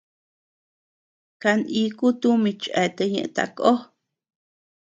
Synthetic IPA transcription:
ka˧nʔi˧ku˦t̪u˦mĩ˧t͡ʃʔɛ˧t̪e˧ɲḛ̃˧˨ʔt̪a̰˧kʼo˦

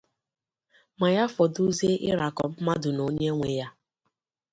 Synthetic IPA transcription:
ma˨ja˦fɔ˨du˦ze˦ʔɪ̰˦ɾa˨kɔ˨m̩˦ma˦dʊ˨no˦ɲe˦ŋʷe˨ja˦

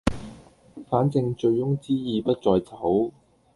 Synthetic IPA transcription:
faː˨˥nt͡sɪ˧ŋt͡ʃɵ˧ɥjʊ˥ŋt͡siː˥jiː˧pɐ˥t̚t͡sɔː˧jt͡sʰɐ˨˥w

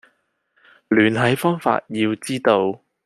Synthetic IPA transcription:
lyː˨˩nɦɐ˨˥jfɔː˥ŋfa̰ː˧t̚jiː˧wt͡siː˥t̪o˧w

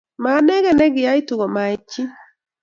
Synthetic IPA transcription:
ma˨nɛ˦ɣɛ˦˨nɛ˦ɡɪ˨a˦i˦tu˨ɣɔ˨ma˨i˨˦t͡ʃi˦

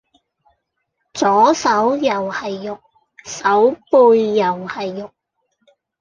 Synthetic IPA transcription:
t͡sɔː˨˥sɐ˨˥wjɐ˨˩whɐ˨jːʊ˨k̚ | sɐ˨˥wpuː˧jːɐ˨˩whɐ˨jːʊ˨k̚

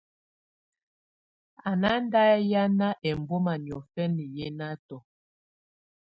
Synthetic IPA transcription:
a˨na˦n˦da˦ja˦na˦ʔɛ˨m˨bo˦ma˨ni˨ɔ˨fɛ˦ni˨jɛ˦na˦tɔ˨

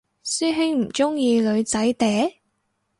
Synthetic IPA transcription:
syː˥ɦɪ˥ŋm̩˨˩t͡sʊ˥ŋjiː˧lɵ˨˧ɥt͡sɐ˨˥jt̪ɛː˨˥

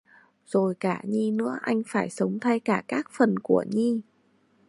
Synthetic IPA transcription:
z̥o˨˩jkaː˧˩ɲi˧nɨ̰˧˥əʔa˧jŋ̟faː˧˩jsə˨˦wŋ͡mt̪ʰa˧jkaː˧˩kaː˦˥k̚fə˨˩nku˧˩əɲi˧

